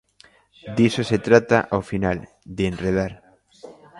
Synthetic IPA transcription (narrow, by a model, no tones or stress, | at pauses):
d̪isoset̪ɾat̪a̰ʔafinal | d̪eenreð̞aɾ